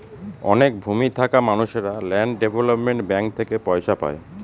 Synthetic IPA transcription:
ɔnek̚bʱumit̪ʰakamanuʃeɾalɛɳɖɖebʱolopmeɳʈbɛŋk̚t̪ʰekepɔjʃapa̰e

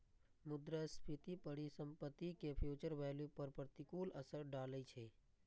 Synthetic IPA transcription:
mʊd̪ɾəspʰit̪ipəɽisəmpət̪ːikepʰjuːt͡ʃəɾʋɛːljupəɾpɾət̪ikuːləsəɾɖaːləit͡ʃʰe

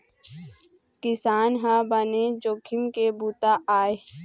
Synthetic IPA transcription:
kɪsaːnɦãːbəned͡ʒoːkʰɪmkebuːt̪aʔaːe

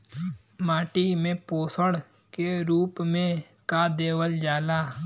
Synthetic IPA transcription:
maːʈimẽpoːsəɽ | keɾuːpmẽ | kad̪eːwəld͡ʒaːlaː

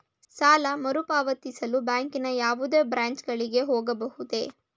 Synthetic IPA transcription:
saːlɐmɐɾupaːʋɐt̪isɐlubaːŋkinɐjaːʋud̪eːbɾaːɲt͡ʃɡɐɭiɡe̞ɦoːɡɐbɐhud̪e̞̰ː

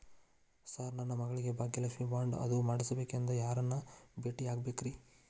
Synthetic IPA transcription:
sɐɾnɐnːɐmɐɡɐɭiɡe̞baːɡːilɐʃʋibaːɳɖɐ̰d̪umaːɽisɐbe̞ːkend̪ɐjaːɾɐnːɐbeːʈiaːɡbeːkɾi

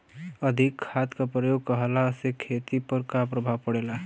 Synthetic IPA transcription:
əd̪ʱikʰːat̪kapɾəjoɡ̚kəɦlasekʰet̪ipəɾkapɾəbʱaʋpəɽela

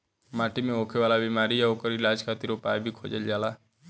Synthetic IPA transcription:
maːʈimẽoːkʰeʋaːlabimaːɾijaokəɾɪlaːd͡ʒkʰaːt̪iɾopaːjbʱikʰo̰ːd͡ʒəld͡ʒaːla

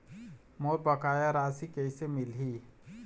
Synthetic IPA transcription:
moːɾbɐkaːjaɾaːsikɛisemɪlɦiː

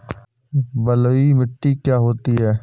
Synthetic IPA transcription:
bəlimɪʈːikjaːɦoːt̪iɦɛː

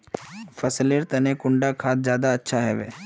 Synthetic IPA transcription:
fʰɐsleɾt̪ɐnekʊɳɖakʰaːt̪̚zjaːd̪aɐtːʃʰaɦɛʋḛː

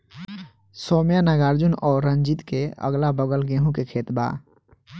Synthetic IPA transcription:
soːmjanəɡaːɾd͡ʒunɔːɾːənd͡ʒit̪keə̰ɡlabəɡəlɡẽɦũkekʰeːt̪ba̰

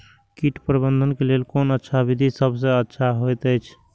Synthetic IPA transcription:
kiʈpɾəbənd̪ʱənkelelkonətːʃʰabid̪ʱisəbʱs̬ə̃ətːʃʰaɦojt̪əjt͡ʃʰ

